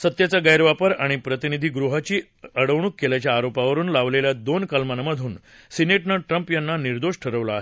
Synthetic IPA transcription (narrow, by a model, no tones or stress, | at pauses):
sət̪jat͡saɡəjɾʋapəɾaɽ̃ipɾət̪inid̪ʱiːɡɾuɦat͡ɕiː | əɽəʋɳ̃uːkːelat͡ɕjaːɾopaʋəɾuːnlaʋleljad̪onkalmanməd̪ʱuːn | sineʈnəʈɾəmpjanːaniɾd̪oʂʈʰəɾəʋlaaːɦe